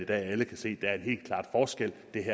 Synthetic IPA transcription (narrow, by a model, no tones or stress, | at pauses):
id̥ɛ̰ːæləkʰæse̝̰ːd̥ææɐe̝nɦe̝̰ːl̥kʰlɑ̰̈ːd̥fɒːsɡ̥el̰d̥e̝ɦæ